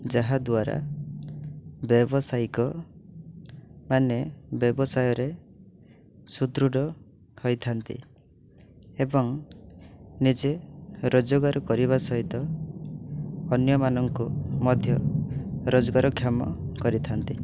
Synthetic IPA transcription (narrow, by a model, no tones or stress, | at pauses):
d͡ʒaɦad̪waɾa̰ | bjɔbɔsajkɔ | manebjɔbɔsajɔɾe | sud̪ɾuɽɔ | hojt̪ʰant̪ḭ | ebɔŋ | nid͡ʒeɾod͡ʒoɡaɾɔkɔɾiβasɔɦit̪ɔ | ɔnjɔmanɔŋkumɔd̪ʱjɔ | ɾod͡ʒɔɡaɾɔkʰjamɔ̰kɔɾit̪ʰant̪i